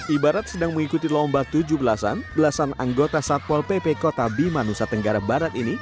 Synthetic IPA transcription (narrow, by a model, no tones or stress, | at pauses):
ʔibaɾat̪̚sədaŋməŋikut̪ilɔmbat̪ud͡ʒubəlasa̰nbəlasanaŋɡot̪asat̪̚wɔlpepekot̪abimanusat̪əŋɡaɾahbaɾat̪ini